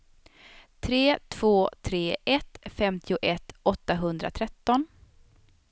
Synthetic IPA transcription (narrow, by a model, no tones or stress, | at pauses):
t̪ʰɾeːt̪ʰv̥oːt̪ʰɾeːʔɛt̪fɛmt̪ʰɪʊʔɛt̪ːɔt̪ːaɦɵnd̪ɾa̰t̪ʰɾɛt̪ːɔn